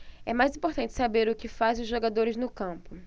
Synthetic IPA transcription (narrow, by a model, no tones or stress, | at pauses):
ɛmajzĩpoɾt̪ɐ̃nt͡ʃɪ̥sabeɾʊkɪfaz̃ʊzʒoɡad̪oɾɪznʊkɐ̃pʊ